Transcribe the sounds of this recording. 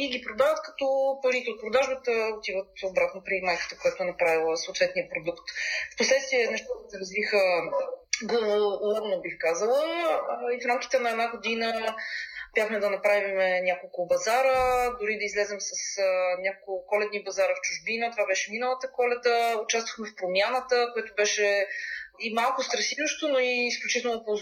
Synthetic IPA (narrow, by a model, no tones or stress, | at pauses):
iɡʲipɾod̪avət̪kɐ̥t̪ɔpɐɾit̪ɛot̪̚pɾod̪aʒbət̪əot̪ivət̪obɾat̪nopɾimajkə̥t̪əkojat̪oɛnɐpɾavilˠəsot̪vɛt̪nijəpɾod̪ukt̪fposlɛt̪st̪viɛnɛʃt̪okɛt̪ɛɾɐzvixə | ɡlˠovolˠəbnobixkazəlˠəifɾamkʲi̥t̪ɛnɐɛd̪naɡod̪inə | bʲjaxmɛd̪ɐnɐpɾavimɛnʲjakolˠkʊbɐzaɾəd̪ʊɾid̪ɐizlɛzɛmsɐsənʲjakokkʊkɔlɛd̪nibɐzaɾəft͡ʃʊʒbinət̪ovabɛʃɛminəlˠət̪əkɔlɛd̪əʊt͡ʃast̪vəxmɛfpɾomʲjanət̪əkoɛt̪ʊbɛʃɛ | imalˠkʊst̪ɾɐsivoʃt̪onoiːsklʲut͡ʃit̪ɛlˠopo